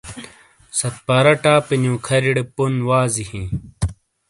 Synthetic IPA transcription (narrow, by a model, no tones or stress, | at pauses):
sɐt̪̚paːɾɐʈaːpinũːkʰɐɾiɽepunwaːzihĩː